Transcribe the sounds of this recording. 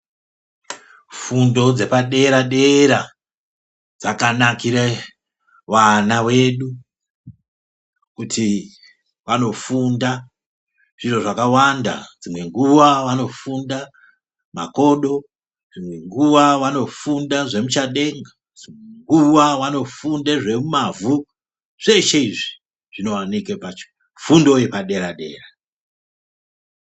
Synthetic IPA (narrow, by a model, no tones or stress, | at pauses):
fundo̞d͡ze̞paɗe̞ɾaɗe̞ɾa | d͡zakanakiɾa | wanawe̞ɗu | kutʰi | wano̞funda | ʐ̥iro̞ʐakawanda̰d͡zimwe̞ŋɡuwawano̞funda | ma̰ko̞ɗo̞ | d͡zimwe̞ŋɡuwawano̞fundaʐe̞mut͡ʃaɗe̞ŋɡa | d͡zieŋɡuwawano̞fundeʐe̞mumavu | ʐ̥eʃeiʐi | ʐ̥ino̞wanikepat͡ʃo̥ | fundo̞je̞paɗe̞ɾaɗe̞̰ːra